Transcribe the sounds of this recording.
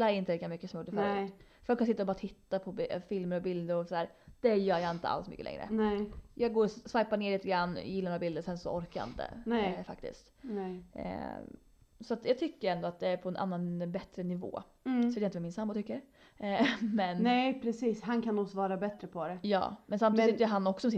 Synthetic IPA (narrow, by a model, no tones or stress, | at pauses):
laɛɾɪnt̪əliːkːamʏkːəsɔmjuːɖːəfœɾʉ̰fœɾɔkansɪt̪ːaɔbɑːɾat̪ʰɪt̪ːapʰɔfɪlməɾɔbɪld̪əɾɔsɔd̪æːɾd̪̥ɛjœːɾjɑːɪnt̪ə̰a̰lsmʏ̰kːə̰ɛ̰ŋːɾə̰nɛjɑːɡɡoːɾsvajpaneːɾɭiːt̪əɡɾanːjɪlːanoːɾabɪld̪əɾɔsɛnsɔ̰ɔɾkaj̰ɪ̰nt̪ə̰ɛfak̚t̪ɪ̰skt̪ | sɔat̪jɑːɡt̪ʰʏkːəɾɛnd̪ɔat̪̚d̪ɛæɾpʰɔɛnʔa̰nːanbɛt̪ɾənɪvo̰ː | sɔet̪jaɪnt̪əvamɪnsambʊt̪ʰʏkːəɾ | mɛnnɛpʰɾɛsiːshankʰanːɔsvɑːɾabɛt̪ɾəpʰɔd̪ɛjɑ̰ːmɛnsamt̪ʰiːd̪ɪt̪jɛɦanːɔksɔsɔmsɪ